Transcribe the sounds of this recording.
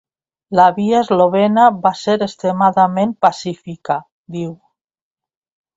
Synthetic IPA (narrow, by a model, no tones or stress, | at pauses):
laβiaezloβ̞enaβaseɾest̪ɾemaðamenpasifika | d̪iw